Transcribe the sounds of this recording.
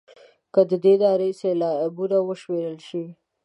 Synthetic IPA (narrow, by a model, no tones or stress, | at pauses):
kəd̪əd̪ed̪ɑɾeselɑbuɾawəʃmeɾəlʃi